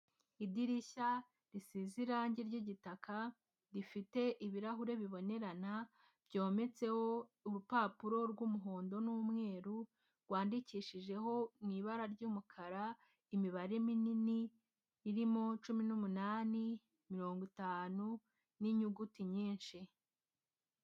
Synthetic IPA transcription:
idiɾiça | ɾisiziɾaɲɟeɾɟiɟitakʰa | ɾifite̞ʔiβiɾaɦuɾe̞βiβo̞ne̞ɾana | bɟo̞ːme̞t͡se̞ho̞uɾupaːpuɾo̞ɾɡuːmuɦoːndo̞nuːmŋe̞ːɾu | ɾɡwaːndiciːʃiʒe̞ɦo̞niːβaɾaɾɟuːmukʰaɾa | imiβaɾe̞mininiː | ɾimo̞t͡ʃuminumunaːni | miɾo̞ːŋɡwitaːnu | niɲuɡutiɲiːnʃi

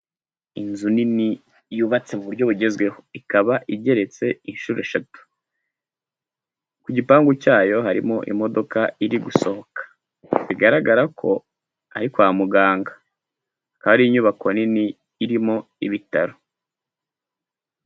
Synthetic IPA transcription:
inzunini | juːβat͡se̞muβuɾɟo̞βuɟe̞zɡwe̞ho̞ikaβaʔiɟe̞ɾe̞t͡se̞inʃuɾeʃatu̥ | kuɟipaːŋɡucaːjo̞ɦaɾimo̞ʔḭmo̞do̞kaiɾiɡuso̞ho̞kḁ | βiɡaɾaɡaɾakʰo̞ | a̰ɾikwaːmuɡaːŋɡa | kaβaɾiiɲuβakoniniː | ɾimo̞ | iβitaɾo

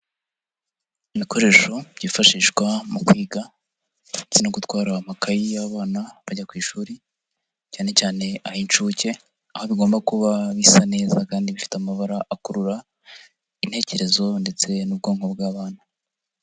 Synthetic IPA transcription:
iβiko̞ɾe̞ːʃo̞ɟifaʃiːʃkwamukwiːɡa | t͡sinoɡutwaːɾamakʰajijaββaːnaβaɟakwiːʃuːɾi | caːne̞caːne̞ahint͡ʃuːce̞ | aho̞βiɡo̞ːmbakuβaβisane̞ːzakaːndiβifi̥tamaβaɾaʔakuɾuɾa | in̥he̞ːce̞ɾe̞zo̞nde̞t͡se̞nub̚ɡoːŋho̞bɡaːβaːna

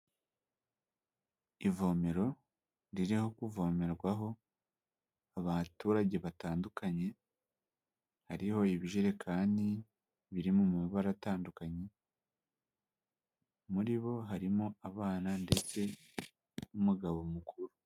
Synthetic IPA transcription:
ivo̞ːme̞ɾo̞ | ɾiɾiho̞kuvo̞ːme̞ɾɡwaɦo̞ | aβatuːɾaɟe̞βataːndukʰaɲe̞ | haɾiho̞iβiʒeɾe̞kʰaːndi | βiɾimomuiβaɾataːndukaɲe̞ | muɾiβo̞ɦaɾimoaβaːnande̞t͡se̞ | umuɡaβo̞mukʰuɾu

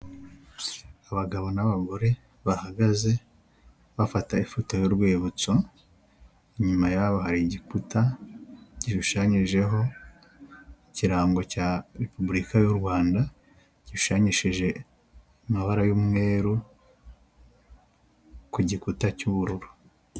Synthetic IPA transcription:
aβaɡaβo̞naβaɡo̞ɾe̞ | βahaɡaze̞ | βafataifotojo̞ɾɡweːβut͡so | iɲumajaβohaɾiɟikuta | ɟiʃuʃaɲiʒe̞ɦo̞ | iciɾaːŋɡo̞caɾepubuɾikajuɾɡwaːnda | ɟ̥iʃu̥ʃaɲiʃiʒe̞ | maβaɾajuːmŋe̞ːɾu | kuɟikutacuβuɾuɾu̥

